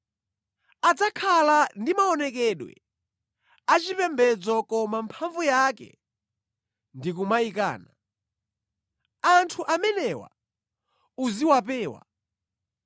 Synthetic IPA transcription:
ad͡zakʰalandimaɔnɛk̬ɛɗwɛ̰ | at͡ʃipɛmbɛd͡zɔkɔmampʰaɱvujakɛ̰ | ndikumaika̰ːna | antʰuʔamɛnɛwa̰ | uziwapɛːwa̰

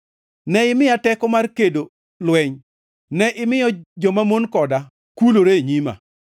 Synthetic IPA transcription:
nɛɪmɪjatɛkɔmarkedo | lwɛɲ | nɛʔɪmɪjɔd͡ʒɔmamonkɔda | kuloɾeɲima̰

